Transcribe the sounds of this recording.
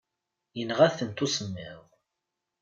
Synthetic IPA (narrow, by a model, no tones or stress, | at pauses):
jənʁæθənt̪usəmːɪðˤ